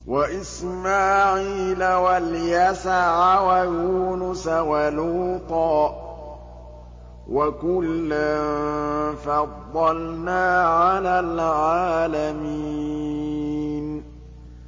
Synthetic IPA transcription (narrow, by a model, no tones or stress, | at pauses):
waʔɪsmaːʕiːlawaljasaʕawajuːnʊsawaluːt̪ɑː | wakʊlːamfɑd̪ˤːɑlnaːʕalaːlʕaːlamiː | n